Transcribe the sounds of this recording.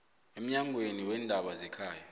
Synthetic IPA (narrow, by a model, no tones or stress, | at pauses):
em̩ɲaŋʱweniwɛndʱaɓazɛkʰaːja